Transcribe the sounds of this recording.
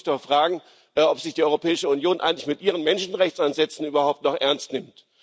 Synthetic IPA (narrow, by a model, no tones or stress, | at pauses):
toːɐfʁ̥aːɡŋ̩ | ʔɛʔɔpz̥ɪçd̥iːɔʏʁopʰɛːɪʃəunjoːnʔa̰ɪɡŋ̩tlɪçmɪtʔiːʁ̞ənmɛnʃn̩ʁɛçt͡sʔanzɛt͡sn̩yːbɐhaʊp̚tnɔχʔɛɐnstnɪmt